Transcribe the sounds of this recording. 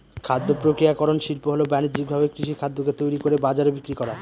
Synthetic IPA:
kʰad̪ːopɾokɾijakɔɾonʃilpoɦolobɛned͡ʑik̚bʱabekɾiʃikʰad̪ːoket̪ojɾikoɾebad͡ʑaɾobikɾikɔɾa

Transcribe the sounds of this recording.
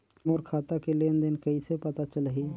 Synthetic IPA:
moɾkʰat̪akelend̪enkəisepat̪at͡ʃələɦi

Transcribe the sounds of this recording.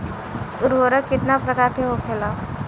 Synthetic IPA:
uɾʋəɾəkːit̪napɾəkaɾkʰeɦokʰela

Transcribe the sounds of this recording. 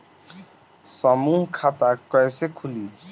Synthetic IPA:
sɔmuɦkʰat̪akːɔjsekʰuli

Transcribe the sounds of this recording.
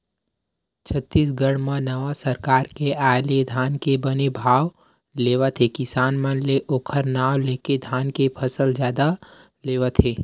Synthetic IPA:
t͡ʃʰət̪ːiːsɡəɽmãnɐʋasɐɾkaːɾkeaːjled̪ʱaːnkebɐnebʱaːʋ | leːʋat̪ʰekɪsaːnmənleʔoːkʰəɾnaːwleːked̪ʱaːnkepʰɐsəld͡ʒjaːd̪a | leːʋat̪ʰeː

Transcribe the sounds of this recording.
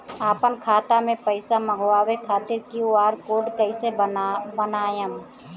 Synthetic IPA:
aːpənkʰaːt̪amẽpəɪsaməɡwaːwekʰaːt̪ɪɾkioaːɾkoːɖkəɪsebənaːjəm

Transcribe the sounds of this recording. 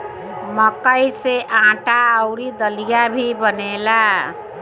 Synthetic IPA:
məkəjseʔãʈaəʊɾid̪əlijabʱibənela

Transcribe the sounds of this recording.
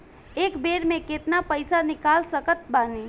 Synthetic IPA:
eːkbeːɾmẽket̪napəɪsanɪkaːlsəkət̪̚baːniː

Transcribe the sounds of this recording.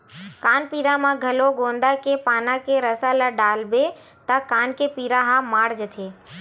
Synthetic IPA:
kaːnpiːɾamãɡʱəloɡõːnd̪akepaːnãkeɾəsalaɖaːlbe | t̪akaːnkepiːɾaɦãmaːɽd͡ʒət̪ʰe

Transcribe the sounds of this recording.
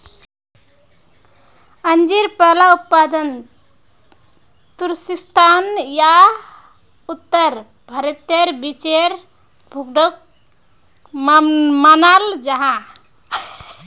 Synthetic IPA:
ənd͡ʒiɾpəlaup̪pad̪ən | t̪uɾsist̪ʰanja | ut̪ːəɾ | bʱəɾet̪eɾbit͡ʃeɾ | bʱuɡɖok | manald͡ʒəɦã

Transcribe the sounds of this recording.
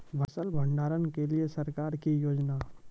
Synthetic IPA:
bʱɐsəlbʱə̃ɳɖaːɾənkeliesɐɾkaːɾkijoːd͡ʒna

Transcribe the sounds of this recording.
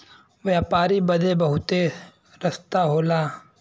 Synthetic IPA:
ʋjaːpaːɾibɐd̪ʱebɐɦʊt̪e | ɾɐst̪aɦoːlaː

